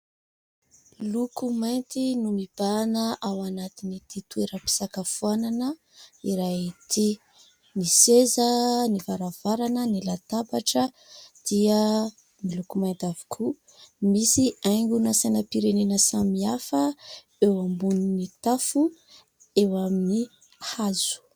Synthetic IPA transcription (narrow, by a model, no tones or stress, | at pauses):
lukumajnt̪inumib̥anəʔawanat̪init̪it̪ueɾəpi̥sakafuananə | iɾaɦt̪ʰi | nisezənivaɾav̥aɾanənilat̪apaʈ͡ʂə | d̪̥iə | milukumaj̪t̪avi̥kʰu | misiajŋɡunasajnəpiɾenenəsamiafə | ewambuninit̪afu | ewamini | hazu̥